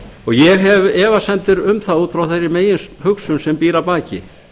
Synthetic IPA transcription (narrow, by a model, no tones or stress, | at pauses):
ɔɣjɛɣɦɛvɛːvasɛnt̪ɪɾʏmθaðuːt̪fɾawθejɾɪmeːjɪnshʏksʏmsɛmpiːɾapaːcɪ̰